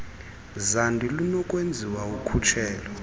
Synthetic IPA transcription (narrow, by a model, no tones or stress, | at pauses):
zandʱilunɔkʼwend͡zʱiwaukʰut͡ʃʰɛːlɔ